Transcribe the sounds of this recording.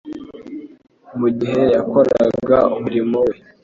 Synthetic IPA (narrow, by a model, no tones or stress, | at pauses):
muɟiɦe̞jako̞ɾa̰ɡaumuɾimowe̞